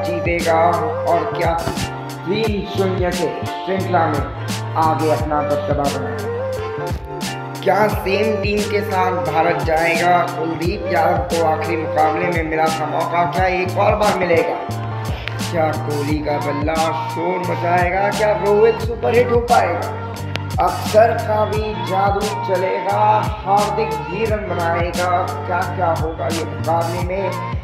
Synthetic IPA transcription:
d͡ʒiːt̪eːɡaɔːɾkjaː | siːmsʊnjəke | sɪ̃ɳʈʰlamẽ | aːɡeɐpnabɐɾt̪əbakɐneːa | kjaːseːmʈiːmkesaːt̪ʰbʱaːɾət̪̚d͡ʒaːeːɡakoːɾiːjaːtkoaːxɾimʊkaːblemẽmeɾakamɔːkakjaːeːkɔːɾbaːɾmɪleːɡaː | kjaːkoːlikabɐlːaʃoːɾmɐt͡ʃaːeːɡakjaːboʋeksupəɾɦeʈoːpaːeːɡaː | ɐksəɾkabʱi | zaːd̪ɾuːt͡ʃɐleːɡahaːɾt̪ɪkbʱiːɾənbɐnaːeɡakjaːkjaːɦoːɡajemʊkaːblemẽ

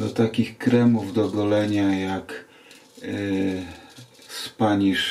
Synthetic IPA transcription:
d̪ɔt̪akʲixkɾɛmuvd̪ɔɡɔlɛɲajak | spaɲiʂ

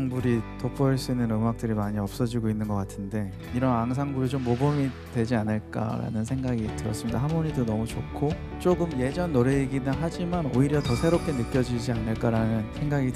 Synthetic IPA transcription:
ŋbuɾitopʰʌiɭs͈uinːɯnɯmak̚t͈ɯɾimaɲiʌp̚s͈ʌd͡ʑiɡoinːɯnɡʌk͈atʰɯnde̞ | iɾʌnaŋs̬ʰaŋbuɾit͡ɕomːobʌmi | dwe̞d͡ʑianɯɭk͈a̰ɾa̰nɯnsʰe̞ŋɡaɡitɯɾʌs͈ɯmɲidaɦamboɲidonʌmut͡ɕokʰo | t͡ɕ͈oɡɯmje̞d͡ʑʌnːoɾe̞ːɡinaɦad͡ʑimano̰iɾjʌtʌsʰe̞ɾop̚k͈e̞nɯk̚k͈jʌd͡ʑid͡ʑianɯɭk͈aɾanɯnsʰe̞ŋɡaɡi

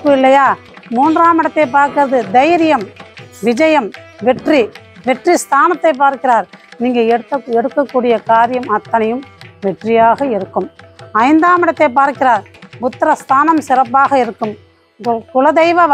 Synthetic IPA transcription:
kːɯɪlːɐjaː | muːndraːmɪɽɐt̪ːɐɪp̬ːaːɾkɪɾɐðɯd̪ɐjɾɪjɐmʋɪd͡ʒɐjɐmʋɛʈri | ʋɛʈrist̪ʰaːnɐt̪ːɐɪp̬ːaːɾkɪraːɾniːŋɡɐɛɽɯt̪ːɐɛɽɯkːɐkːuːɽɪjɐkaːɾɪjɐmɐt̪ːɐnɐjɯmʋɛʈrɪjaːɣɐɪɾɯkːɯmɐɪnd̪aːmɪɽɐt̪ːɐɪp̬ːaːɾkɪɾaːɾpʊt̪ːɐɾɐst̪ʰaːnɐmsɪrɐpːaːɣɐɪɾɯkːɯm | kʊlɐd̪ɐɪʋɐ

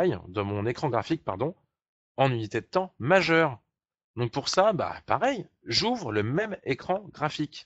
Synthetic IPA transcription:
j̰d̪ə̃mɔ̃nekχɑ̃ɡʁafik̚paʁd̪ɔ̃ | ɑ̃nynit̪ed̪ət̪ɑ̃maʒœːʁ | d̪ɔ̃k̚puʁsaba̰pa̰ʁɛj | ʒuvʁələmɛmekχɑ̃ɡʁafik

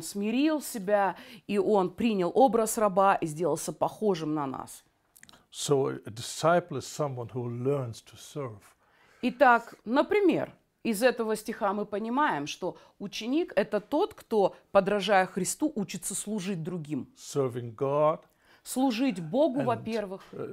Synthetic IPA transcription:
nsmʲɪɾʲilˠsʲɪbʲaiʔo̞npɾʲinʲɪlˠʔo̞bɾəsrɐbaʔizʲdʲe̞lˠəlˠsʲəpɐxo̞ʐɨmnɐna̰s | soʊdɪsaɪpl̩ˠɪz̥sʌ̃mwʌ̃nhulɜ˞nz̥tʰu̥sɜ˞v̥ | ɪt̪aknəpɾʲɪmʲḛr | ɪzɛt̪əvəsʲtʲɪxamɨpənʲɪmajɪmʂt̪o̞ | ʊt͡ɕɪnʲikɛt̪ət̪o̞t̪kt̪o̞pəd̪ɾɐʐajɪxɾʲɪst̪uʔut͡ɕɪt̪səslˠʊʐɨt̚ʲd̪ɾʊɡʲimsɜ˞vɪ̃ŋɡɑd̥ | slˠʊʐɨtʲbo̞ɡʊvɐpʲervɨx

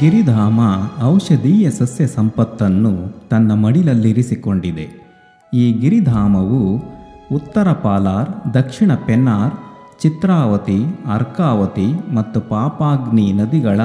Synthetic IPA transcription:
ɡiɾid̪ʱaːmɐːwʂɐd̪iːjɐsɐsjɐsɐmpɐt̪ːɐnːut̪ɐnːɐmɐɽilɐlːiɾisiko̞ɳɖid̪e̞̰ | iːɡiɾid̪ʱaːmɐʋu | ut̪ːɐɾɐpaːlaːɾd̪ɐkʂiɳɐpɛnːaːɾ | t͡ʃit̪ɾaːʋɐt̪iɐɾkaːʋɐt̪imɐt̪ːupaːpaːɡninɐd̪iɡɐɭɐ

